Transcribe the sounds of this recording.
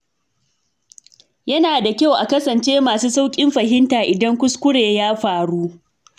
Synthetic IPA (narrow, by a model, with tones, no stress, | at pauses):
jɐ˦naː˨da˨kʲa˦wʔa˨kɐ˦sɐ˨nt͡ʃeː˦maː˨suː˦sa˦wkʲʼɪ˦mɸɐ˨hɪ˦ntaː˨ʔɪ˨dɐ˦ŋkʷʊ˦skʷʊ˦ɽeː˨jaː˦ɸaː˨ɽuː˦ʔ